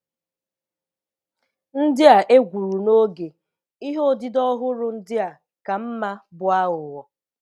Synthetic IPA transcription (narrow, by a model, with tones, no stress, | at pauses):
n̩˦dɪ˦a˨ʔe˦ɡʷu˨ɾu˨no˦ɡe˨ | i˦ɦo˦dɪ˨dɔ˦ɦʊ˦ɾʊ˦n̩˦dɪ˦a˨ | ka˨m̩˦ma˦bʊ˦a˦ʊ˨wɔ˨